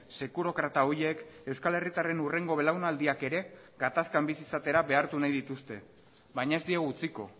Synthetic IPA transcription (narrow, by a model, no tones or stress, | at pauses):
se̞kuɾo̞kɾat̪aoje̞ke̞wskale̞rit̪are̞nure̞ŋɡo̞βe̞lawnald̪iake̞ɾe̞ | ɡat̪askambisisat̪e̞ɾaβe̞aɾt̪unajðit̪ust̪e̞ | βajɲae̞zd̪ieɣut͡siko̞̰